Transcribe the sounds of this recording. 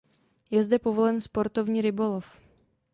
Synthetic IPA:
jɛzdɛpo̞vo̞lɛnspo̞ɾt̪o̞vɲiːɾɪbo̞lof

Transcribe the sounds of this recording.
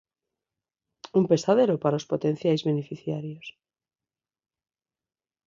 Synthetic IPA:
umpe̞st̪að̞e̞ɾopaɾaospo̞t̪ẽ̞n̟θjajzβe̞nefiθjaɾjos

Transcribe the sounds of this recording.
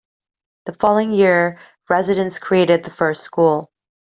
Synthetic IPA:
ðəfɑlˠoʊɪ̃ŋjɪɹ | ɹɛzɨɾɨ̃nskʰɹ̥ieɪɾɨd̪̚ðəfɜ˞stskulˠ

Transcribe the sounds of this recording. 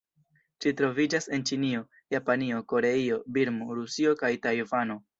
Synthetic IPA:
ʃitɾo̞vid͡ʒase̞nt͡ʃinio̞ | japanio̞ko̞ɾe̞io̞biɾmoɾusio̞kajtajovano̞

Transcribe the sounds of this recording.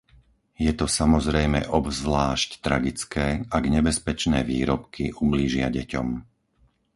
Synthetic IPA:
jɛt̪ɔsamɔzɾɛjmɛ̰ʔɔbzʋlaːʃct̪ɾaɡit͡skɛːaɡɲɛbɛspɛt͡ʃnɛːʋiːɾɔpkiʔumliːʒɪa̰ɟɛcɔ̰m

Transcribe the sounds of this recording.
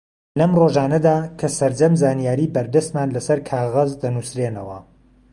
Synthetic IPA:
lɐmroʒaːnɐd̪aːkʰɐsɐɾd͡ʒɐmzaːnijaːɾiːbɐɾd̪ɐst̪maːnlɐsɐɾkʰaːɣɐzd̪ɐnusɾeːnɐwɐ

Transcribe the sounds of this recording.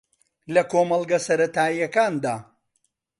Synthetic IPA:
lɐkoːmɐlˠɡɐsɐɾɐt̪aːijɐkaːnd̪aː

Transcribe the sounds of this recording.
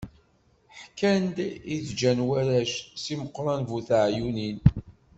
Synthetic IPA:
ħkːænd̪iθd͡ʒænwæɾæʃsiməqːɾˤɑnvuθʕjunin

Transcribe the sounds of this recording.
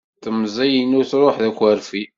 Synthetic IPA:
t̪əmzˤijinuθɾˤoħðækʷːæɾfi

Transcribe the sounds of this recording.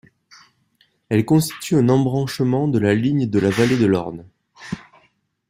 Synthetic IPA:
ɛlkɔ̃st̪i̥t̪ʰyɛ̃nɑ̃bʁɑ̃ʃmɑ̃d̪əlaliɲd̪əlavaled̪əlɔ̰ʁd̪

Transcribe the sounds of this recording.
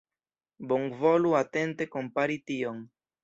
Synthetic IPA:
boŋvoluat̪ent̪ekompaɾit̪ioŋ

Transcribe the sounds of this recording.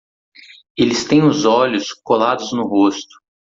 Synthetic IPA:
elɪst̪ẽj̃ʊzɔlʲʊskolad̪ʊznʊɦost̪ʊ̥

